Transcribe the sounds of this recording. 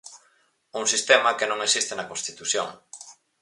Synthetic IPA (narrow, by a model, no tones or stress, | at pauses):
uŋsist̪emakenõŋesist̪enakonst̪it̪usjo̰ŋ